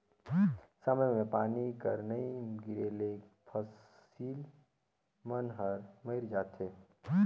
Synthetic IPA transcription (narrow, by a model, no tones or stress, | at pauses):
səməmẽpaːnikəɾnəiɡɪɾeːleːk | pʰəs | iːl | mənɦəɾməɪɾd͡ʒaːt̪eː